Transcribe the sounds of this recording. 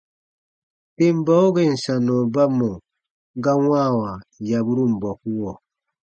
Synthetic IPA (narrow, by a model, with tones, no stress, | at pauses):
te˦m˦bɔ˦o˦ɡɛ˨n̩˨sa˨nɔ˨ba˦mɔ˨ | ŋɡa˦waː˦˨wa˨ja˨bu˦ɾu˦m̩˨bɔ˨pu˦wɔ˨